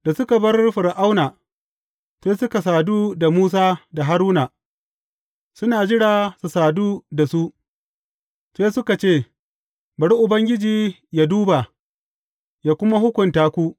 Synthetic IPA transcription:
d̥a˨sʊ˦ka˨bɐ˦rɸɪ˨ɾʔa˦wnaː˨ | seː˦sʊ˦ka˨s̬aː˨duː˦da˨muː˦s̬aː˦da˨ɦa˦ɾuː˦naː˨ | sʊ˦naː˨d͡ʒɪ˦ɽaː˨su˨saː˨duː˦da˨su˦ʔ | seː˦sʊ˦ka˨t͡ʃeː˦˨ | bɐ˨ɽu˦ʔʊ˨bɐ˦ŋɡʲɪ˦d͡ʒiː˨ | ja˦duː˦ba˨ | jaː˨kʷʊ˦ma˦hʊ˦kʷʊ˨ntaː˦kʷu˦ʔ

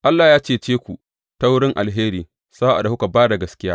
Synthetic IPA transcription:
ʔa˦lːaː˨jaː˦t͡ʃeː˦˨t͡ʃeː˦kʷu˨ | ta˦wʊ˦ɽɪ˦ŋʔa̰˨lɦeː˦ɾiː˨ | sa˦ʔa̰˨da˨hʊ˦ka˨baː˦da˨ɡɐ˦skʲɪ˦jaː˦

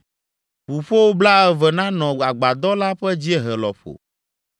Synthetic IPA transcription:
ɸu˨ɸo˦wo˦bla˦ɛ˦vɛ˨nã˦nɔ̃˨a˨ɡ͡ba˨d̪ɔ˦la˦ɸɛ˦d͡ʑi˦ɛ˦ɦɛ˨lɔ˨ɸo̰˨

